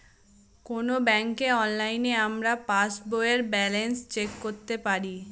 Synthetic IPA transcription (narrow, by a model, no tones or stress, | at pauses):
konobɛŋkeɔnlajneamɾapasboeeɾbɛlenst͡ɕekːoɾt̪epaɾi